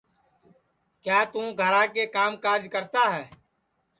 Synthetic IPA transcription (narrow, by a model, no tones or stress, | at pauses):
kjaːt̪ũːɡʱəɾãːkekaːmkaːɾd͡ʒkəɾt̪aːɦɛː